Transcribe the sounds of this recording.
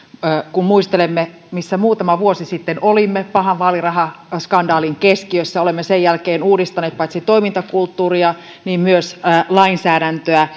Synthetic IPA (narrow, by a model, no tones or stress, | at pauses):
kummuist̪elemːe | misːæmuːt̪ɑmɑʋuosisit̪ːenolimːepɑhɑʋʋɑːlirɑhɑskɑndɑːliŋkeskiøsːæolemːesejælkeːnuːdist̪ɑneːt̪̚pɑit̪sit̪oimint̪ɑkult̪ːuːriɑ | niːmmyøslɑinsæːdænt̪øæ